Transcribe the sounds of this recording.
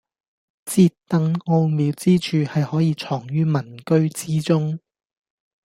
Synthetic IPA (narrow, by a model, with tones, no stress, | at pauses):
t͡siː˧tt̪ɐ˨˧ŋŋo˧wmiː˨˧wt͡siː˥t͡ʃʰyː˨˧hɐ˨jhɔː˨˥jiː˧t͡ʃʰɔː˨˩ŋjyː˥mɐ˨˩nkɵ˥ɥt͡siː˥t͡sʊ˥ŋ